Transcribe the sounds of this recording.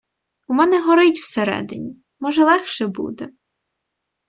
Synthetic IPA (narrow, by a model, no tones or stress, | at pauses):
umɛnɛɦɔɾɪtʲw̥seɾɛ̰d̪ɪnʲi | mɔʒɛlˠɛxʃɛbṵd̪ɛ